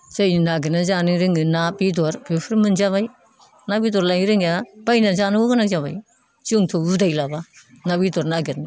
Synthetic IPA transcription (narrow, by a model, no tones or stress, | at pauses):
zajninaɡinazanɯɾɯŋɯnabidɔɾbipʰɾmɯnzaβaj | nabidɔɾlajɾɯŋjab̥ajnazanɯɡɔɡɯnakzaβaj | t͡ʃɯŋtʰɔudajlaba | nabidɔɾnaɡiɾni